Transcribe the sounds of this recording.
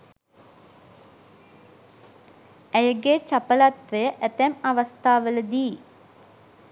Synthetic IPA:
æjəɡet͡ʃɐpəlat̪ʋəjəʔɛt̪æmɐʋɐst̪ʰaːʋələd̪iː

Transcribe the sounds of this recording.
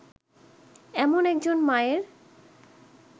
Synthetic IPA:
ɛmonɛk̚d͡ʑonmaeɾ

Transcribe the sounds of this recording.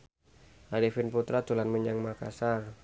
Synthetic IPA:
ʔaɾifɪnput̪ɾat̪ulanməɲaŋmaka̰sar

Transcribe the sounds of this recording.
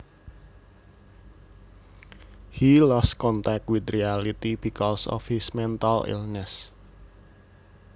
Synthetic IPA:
hilɔskɔnt̪ak̚twɪd̪ɾialit̪ib̥ikɔsɔ̰fhismɛnt̪alḭlnɛs

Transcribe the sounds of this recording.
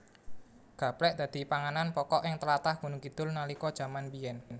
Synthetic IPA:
ɡ̥ä̤plɛʔd̪̥a̤d̪̥i̤paŋananpɔkɔʔɪŋt̪əlat̪ahɡ̥unʊŋkid̪̥ʊ̤lnalikɔd̥ʒ̥ä̤manbijɛn

